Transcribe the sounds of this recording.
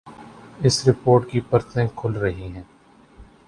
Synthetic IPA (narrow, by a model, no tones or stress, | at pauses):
ɪsɾɪpoːɾʈkipɐɾt̪ẽkʰʊlɾɐɦiɦɛ̃ː